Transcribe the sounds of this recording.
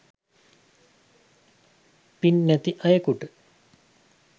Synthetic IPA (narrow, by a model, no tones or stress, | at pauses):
pinːæt̪iʔɐjəkuʈə